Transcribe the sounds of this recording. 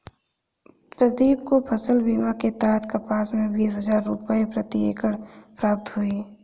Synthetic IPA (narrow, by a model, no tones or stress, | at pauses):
pɾəd̪iːbkopʰəsəlbiːmaket̪aːɦt̪kapaːsmẽbiːsɦəd͡ʒaːɾːupəepɾət̪iḛːkəɽpɾaːp̚t̪ɦui